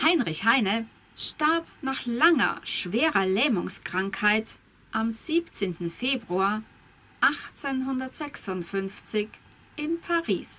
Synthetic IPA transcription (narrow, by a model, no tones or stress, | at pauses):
haɪnʁɪçhaɪnə | ʃtaɐpnaːχlaŋɐ̰ʃv̥eːʁɐlɛːmʊŋskʁ̥aŋkhaɪt | ʔamz̥iːpt͡seːntn̩feːbʁua | ʔaχt͡senɦʊndɐtz̥ɛksʊntfʏnft͡sɪç | ʔɪnpʰaʁḭːs